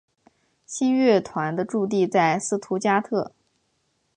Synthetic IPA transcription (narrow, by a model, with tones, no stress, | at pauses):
ɕi˥nɥɛ˥˩t̪ʰwa˧˥nd̪ə˧ʈ͡ʂu˥˧t̪̬i˥˧t͡sa˥˩ɪsɹ̩˥t̪ʰu˧˥t͡ɕja˥t̪ʰɤ˥˩